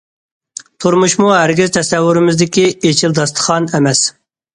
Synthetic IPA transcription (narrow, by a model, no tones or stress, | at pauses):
t̪ʰuɾmuʃmuɦæɾɡʲizt̪ʰɛsɛwːuɾɪmɪzd̪ɪkʲiet͡ʃʰɪld̪ɑst̪ʰə̥χɑnɛmɛs